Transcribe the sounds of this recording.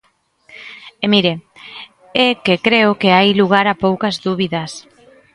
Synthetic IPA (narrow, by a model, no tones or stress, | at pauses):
emiɾe | ɛkekɾeʊkeajluɣ̞aɾapowkɐzðuβiðɐs